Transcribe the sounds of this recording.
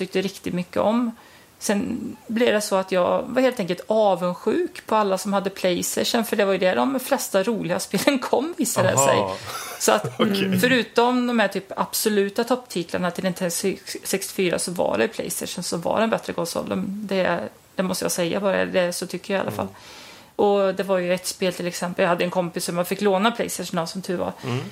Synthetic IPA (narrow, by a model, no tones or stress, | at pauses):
t̪ʏk̚t̪əɾɪkt̪ɪd̪mʏkːə̰ɔm | sɛnblɪvd̪ɛsɔat̪jɑːvaɾheːlt̪ɛŋkəlt̪ɑːvənɧʉ̟ːkpʰɔalːasɔmhad̪ːəpʰlɛjst̪ɛʂənfœɖɛvaɾjɵd̪ɛɖɔmflɛst̪aɾuːlɪɡaspeːlənkʰɔmːviːsad̪ə̰sɛ̰jsɔa̰t̪fœɾʉ̟ːt̪ɔmd̪ɔmhæʈʰyːpab̥sɔlʉ̟ːt̪at̪ʰɔpːt̪ʰiːt̪laɳat̪ʰɪlɛnt̪ʰɛssɛkst̪ɪ̥fyːɾa̰sɔva̰ɖɛ̰pʰlɛ̰ɪst̪ɛ̰ɪʂənsɔva̰ɖɛnbɛt̪ɾəkʰɔ̃nsɔ̰lːə̰md̪ɛ | d̪̥ɛmɔst̪əjɑ̰sɛjːa̰bɑːɾa̰d̪ɛsɔt̪ʰʏkːəjaja̰lʔa̰fa̰lː | ʔɔd̪ɛvaɾjɵɛt̪speːlt̪ʰɪlɛksɛmpːəljɑhad̪ːəɛnkʰɔmpɪsɔmanfɪkːloːnapʰlɛ̰ɪst̪ɛʂənasɔmt̪ʰʉ̟ːva̰ɾ